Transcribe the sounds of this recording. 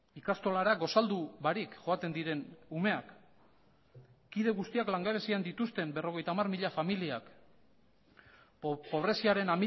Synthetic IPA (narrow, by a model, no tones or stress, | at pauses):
ikast̪o̞laɾaɡo̞sald̪uβaɾikʝo̞at̪e̞nd̪iɾe̞nume̞ak | iðe̞ɣust̪iaklaŋɡaβ̞e̞siand̪it̪ust̪e̞mbe̞ro̞ɣ̞e̞jt̪amarmiʎafamiliak | po̞βɾe̞siaɾe̞nami